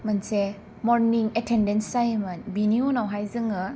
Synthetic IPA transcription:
mɐnse | mɔɾniŋetʰendensajmɐnbinionawɦajzɯŋɐ

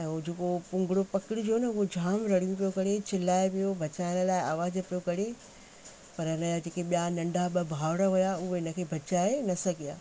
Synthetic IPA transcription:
ɛ̃ud͡ʑeːkopʊ̃ŋɡɪɽopɐkɪɽɪd͡ʑonɐʊɦod͡ʑʱaːmɾɐɽ̤ijũp̬ijokɐɾet͡ɕʰɪlaːeʋijobʱɐt͡ɕaːɪɽ̃ə̆laːɪaːʋaːzpijokɐɽe | pɐɾɪnəjad͡ʑeːkẽɓijanɐ̃ɳɖʱaɓɐbʱaːʋɽ̃əɦʊjaʊɦoɪnə̆kʰeːbʱɐt͡ɕaːenɐsɐɡʱija̰ː

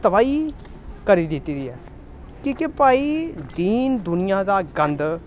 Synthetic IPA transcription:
t̪əbaːiː | kəɾiːd̪ɪt̪iːd̪iːɛ̰ː | kiːkepaːiːd̪iːnd̪ʊnɪjaːd̪aːɡənd̪

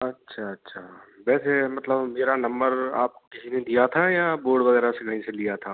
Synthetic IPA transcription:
ɐtːʃʰaɐtːʃʰaːbɛːsemɐt̪ləbmeːɾanɐ̃mbəɾa̰ːp̚kokɪsined̪ijat̪ʰajaboːɾɖʋɐɣɛːɾaseɡʱɐɽ̃ĩselijat̪ʰaː

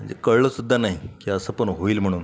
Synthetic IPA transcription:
əɳd͡ʑḛkəɭɭəsud̪ʱːanaɦikiːəsəpəɳɦoiːlm̤əɽ̃uːn

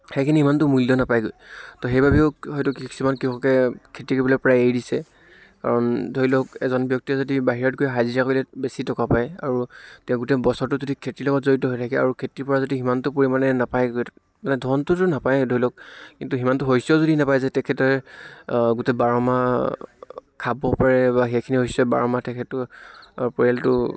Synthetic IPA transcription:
hejkʰiniɦimantʊmulːɔnapajɡojtɔxejbabɛʊɦɔjtʊkiki̥sumankiɦɔkɛkʰetɹikobɔlɔpɔɹajejdisɛ | ka̰ɹɔndʱojlɔk̚ɛzɔnbjɔk̚tizodibaɦiɹɔt̚ɡojɦaziɹakojlɛbesitɔkapaja̰ɹutɛʊ̃ɡutɛbɔsɔɹtʊzodikʰetɹilɔɡɔtzoɹitɔɦojtʰakɛa̰ɹukʰetipɔɹazodiɦimantʊpoɹimanɛnapaj | manɛdʱɔntʊtʊnapajdʱoilɔk̚kkintuɦimantʊɦojsɔzodinapajzɛtɛkʰɛtɔɹɛ | ɡutɛbaɹɔma | kʰabɔpaɹɛbaɦɛkʰiniɦojsɔba̰ɹɔmatɛkʰɛtɔ | pɔɹɛltʊ

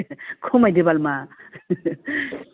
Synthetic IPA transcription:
kʰomajdebalma

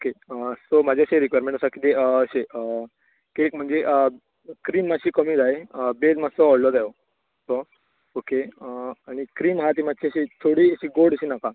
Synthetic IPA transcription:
okeəsomad͡ʑʱeəɕeɾikʋajɾmẽɳʈəsakit̪eəəɕeə | kekm̤əɳd͡zeʔə | kɾiːmːaɕiːkəmiːd͡zaeəbed͡zmasɔɔɽlɔd̪ajo | so | okeəaɽ̃ikɾiːmɦat̪̬imaɕiəɕit̪ʰoɽiːəɕiːɡoɽəɕiːnaka

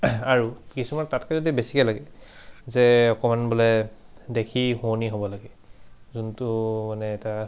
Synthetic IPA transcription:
aɹukisumantatkɛzodibesikɛlaɡɛzɛɔkɔmanbɔlɛdekʰihuoniɦobɔlaɡɛ | zuntʊmanɛːta

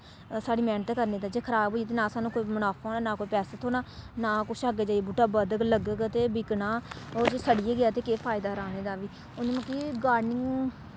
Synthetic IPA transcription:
saːɽiːmɛ̃ːnt̪eːkəɾneːd̪aːd͡ʒeːkʰəɾaːbʱɦoːit̪eːnãːsaːnũːkoːiːmənaːpʰoːnaːnaːkoːiːpɛːsət̪ʰoːnaːnaːkʊʃaːɡed͡ʒaːiebuːʈaːbəd̪əɡləɡəkt̪eːbɪknaːoːd͡ʒesəɽijeːɡɪjaːt̪eːkeːpʰaːɪd̪aːɾaːneːd̪aːʋiː | oneːməkːiːɡaːɾnɪŋɡ

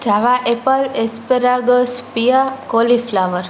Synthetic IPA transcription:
d͡ʒaʋaʔepəlespəɾaɡəspiakoliflaʋəɾ

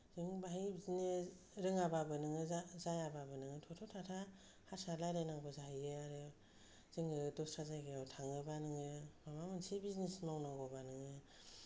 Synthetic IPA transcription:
z̥ɯŋbaɦibzine | ɾɯŋababɯnɯŋɯzajababɯnɯŋɯtʰɔtʰɔtʰatʰa | hasalajɾajnaŋbɔzaijeaɾɯ | z̥ɯŋɯdɔsɾazajɡɯawtʰaŋɯbanɯŋɯmamamɯnsibiznismawnaɡɔbanɯŋɯ

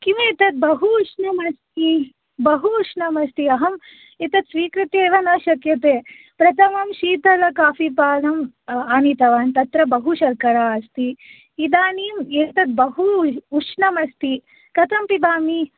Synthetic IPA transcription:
kiʋeːt̪ɐt̪̚bɐɦuʂnɐmɐst̪i | bɐɦuʂnɐmɐst̪iɐɦɐm | et̪ɐt̪sʋiːkɾit̪eːʋɐnɐːʃɐkjɐt̪eː | pɾɐt̪ɐmɐmʃiːt̪ɐlɐkaːfipaːlɐm | aːnit̪ɐʋɐnt̪ɐt̪ɾɐbɐɦuʃɐɾkɐɾaːɐst̪iː | d̪aːniːmeːt̪ɐt̪̚bɐɦuːt͡ʃnɐmɐst̪i | kɐt̪ɐmpid̪aːmi

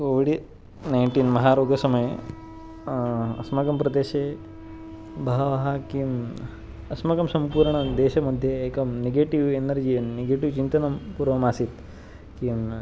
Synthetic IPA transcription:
oʋiɽi | nɐjɳʈiːnmɐɦaːɾoːɡɐsɐmɐjɐ | ɐ̰smɐkɐmpɾɐd̪eːʃeː | bʱɐɦɐʋɐɦɐkijm | ɐsmɐkɐmsɐmpuːɾɳɐd̪eːʃɐmɐd̪ʱjɐeːkɐmneɡeːʈiʋenɐɾd͡ʒijɐneɡeːʈiʋt͡ʃint̪ɐnɐmpuːɾʋɐmaːsit̪ | kijm

